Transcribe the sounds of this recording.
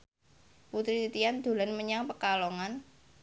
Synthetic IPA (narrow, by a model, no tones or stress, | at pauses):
put̪ɾit̪it̪iand̪̥o̤lanməɲaŋpəkalɔŋan